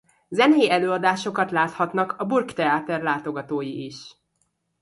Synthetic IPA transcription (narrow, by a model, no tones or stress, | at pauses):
zɛnɛjiɛløːɒd̪aːʃo̞kɒt̪laːt̪hɒt̪nɒkɒburkt̪ɛaːt̪ɛrlaːt̪o̞ɡɒt̪oːjiʔiʃ